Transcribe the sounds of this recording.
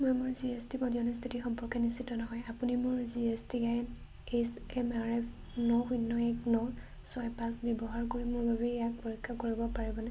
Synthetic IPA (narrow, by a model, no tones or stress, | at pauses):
mɔjmʊɹziestipɔdiɔnɔst̪ʰitixɔmpɔɹkɛnisitɔnɔɦɔjapunimʊɹziestiɡajn | esɛmaɹɛfʰ | nɔxunːɔɛknɔ | sɔjpãsbɔbɔɦaɹkoɹimʊɹbabɛjak̚poɹikʰːakoɹibɔpaɹibɔnɛ